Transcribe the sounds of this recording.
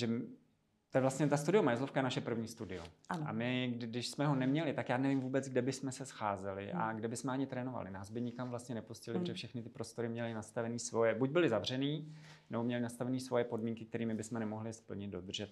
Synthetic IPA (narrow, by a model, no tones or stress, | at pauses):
ʒɛm | t̪ojɛvlast̪ɲɛt̪ast̪udɪomajɛzlofkajɛnaʃɛpr̩vɲiːst̪udɪoana̰mɪɡdɪʃsmɛɦonɛmɲɛlɪt̪akjaːnɛvimvuːbɛt͡sɡdɛbɪsmɛsɛsxaːzɛlɪʔa̰ɡdɛbɪsmɛaɲɪt̪ɾɛːno̞va̰lɪ̰naːzbɪɲɪkamvlast̪ɲɛnɛpuscɪlɪbrɛfʃɛxnɪt̪ɪpɾo̞st̪o̞ɾɪmɲɛlɪnast̪avɛniːsvo̞jɛbuɟ̚bɪlɪzavr̝ɛniːnɛbo̞mɲɛlɪnast̪avɛniːsvo̞jɛpo̞dmiːŋkɪk̚t̪ɛɾiːmɪbɪsmɛnɛmoɦlɪspl̩ɲɪd̪̚do̞d̪r̩ʒɛt̪̚